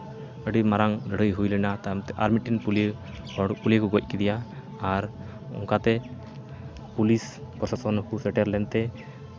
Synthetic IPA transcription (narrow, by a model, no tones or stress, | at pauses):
əɖimaɾaŋdɽəjɦujlɛnat̪amt̪ɛʔa̰ɾmiʈinpul | ɔpulekuɡɔc̚kid̪ija | aɾ | ṵŋkat̪ɛ | pulispɔsasɔnkusɛʈɛɾlɛnt̪ɛ